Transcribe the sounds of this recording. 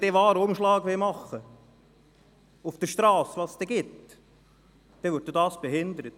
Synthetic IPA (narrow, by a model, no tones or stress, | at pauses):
d̥ɛʋɑːɾəʊmʃlɑːɡʋɪmɑχːə | ufd̥əʃtɾɑːsʋɑːsst̪ɛɡɪt | d̪̥ɛʋʏɾ̚d̥̪odɑːsb̥eɦɪnd̪əɾət